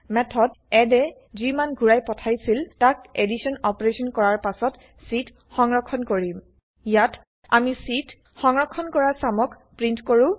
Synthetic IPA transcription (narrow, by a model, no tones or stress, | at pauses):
mɛtʰɔdɛdɛ | zimanɡʱuɹajpɔtʰajsiltakedisɔnɔpɔɹesɔnkɔɹaɹpasɔt | sit | xɔŋɹɔkʰːɔnkoɹim | ijat | a̰misit | xɔŋɹɔkʰːɔnkɔɹaɹsamɔk | pɹintkoɹũ